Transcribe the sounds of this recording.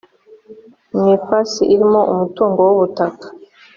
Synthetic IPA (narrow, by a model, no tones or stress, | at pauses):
mifasiʔiɾimo̞ʔumutuːŋɡowuβutakḁ